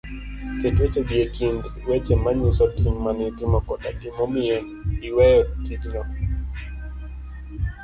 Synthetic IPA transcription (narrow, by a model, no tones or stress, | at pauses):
ketwet͡ʃebiekʰindwet͡ʃemaɲisɔtiŋmanɪtimɔkɔɗaɡɪmɔmiɛ | iwɛjɔtiɡnɔ